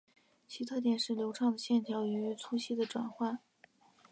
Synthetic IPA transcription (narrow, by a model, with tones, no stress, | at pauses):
t͡ɕʰi˧˥t̪ʰa˥t̪̬jɛ˨˩nʂɻ̩˥˩ljo˧˥ʊʈ͡ʂʰɑ˥˩ŋd̪ə˩ɕjɛ˥˩nt̪ʰjɑ˧˥ʊy˧y˧˥y˧˥t͡sʰu˥ɕi˥˩d̪ə˨ʈ͡ʂwa̰˨˩nxwa˥˩n